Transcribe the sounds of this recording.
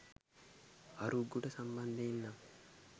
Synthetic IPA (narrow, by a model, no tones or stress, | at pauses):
aɾuɡːuʈəsamband̪einːa